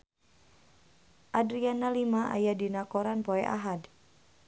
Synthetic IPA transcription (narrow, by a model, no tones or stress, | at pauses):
ʔadɾianalimaʔa̰jadinakoɾanpoɛʔa̰ɦad